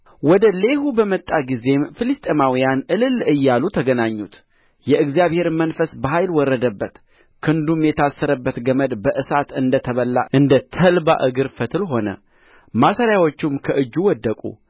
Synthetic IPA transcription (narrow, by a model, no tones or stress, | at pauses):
wɔd̪əle̞ɦubəmət̪ʼːaɡize̞mfɨlɨst̪ʼemawijanʔɨlɨlɨjːalut̪ʰəɡənaɲːut̪ | jɛʔɨɡzijaβhe̞ɾmənfəsbəɦajlwɔrːəd̪əbːət̪ | kʰɨnd̪umjɛt̪ʰasːəɾəbːət̪ɡəməd̪bəʔɨsat̪ɨnd̪ət̪ʰəβəlːa̰ʔɨnd̪ət̪ʰəlba̰ʔɨɡɨɾfət̪ʰɨlɦo̞nə̰ | masəɾjawot͡ʃːumkʰəʔɨd͡ʒːuwɔd̪ːəkʼṵ